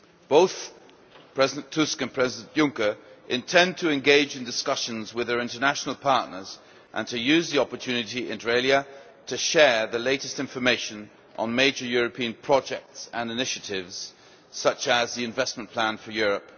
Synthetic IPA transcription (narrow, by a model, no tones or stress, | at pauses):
b̥oʊθ | pʰɹ̥ɛzɨdɨ̃n̩tʰʉskɨ̃npʰɹ̥ɛzɪdə̃nʔjʊ̃ŋkə˞ʔɨ̃ntʰɛ̃n̚tʰɨɨ̃nɡeɪd͡ʒɨ̃ndɨskʌʃɨ̃nzwɨðə˞ɪ̃ntə˞næʃn̩l̩ˠpʰɑɹʔⁿnə˞z | ʔə̰̃ntʰɨjʉzðiɑpə˞tʰʉnɨɾiɪ̃nɹeɪlˠjɨ | ɾɨʃɛɹðɨleɪɾɨstɪ̃ɱfə˞meɪʃɨ̃n | ʔə̰̃nmeɪd͡ʒə˞jʊɹɨpʰĩɨ̃npʰɹ̥ɑd͡ʒɛk̚tsə̃nɨnɪʃɨɾɪvz̥ | sʌt͡ʃəzðiɨ̃ɱvɛsmə̃npʰl̥æ̃nfə˞jʊɹɨp̚